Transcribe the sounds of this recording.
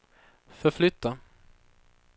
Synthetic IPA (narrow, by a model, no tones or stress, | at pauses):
fœɾflʏt̪ʰːa